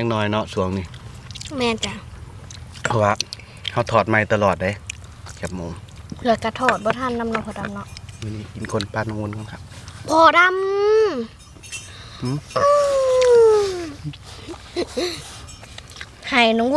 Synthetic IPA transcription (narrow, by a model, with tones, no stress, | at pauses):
a˧˨ŋ̚nɔː˧˩jnɔ˧ʔsu˨˦əŋniː˧˩mɛː˧˨nt͡ɕa˧˩ | pʰɔ˧˩waː˧˩ | ha˧˩wt̪ʰɔː˨˩t̪̚ma˧˩jt̪a˧lɔː˨˩t̪̚da˧˩jkʰi˨˩p̚moː˧˨ŋlɯː˧˦jka˧˩t̪ʰɔː˨˩t̪̚bɔː˧t̪ʰa˧˥˨nːa˧˨mnɔː˧˨pʰɔː˧˩da˧˨mnɔ˧ʔmɯː˧niː˧˩ki˨˦nkʰo˧˥˨npaː˧nɔ˧ŋwu˧˥˨nka˧˨nkʰa˧p̚pʰɔː˧˩da˧˥˨m | ʔɯ˧ʔɯː˧ | ha˨˩jnɔː˧˦ŋw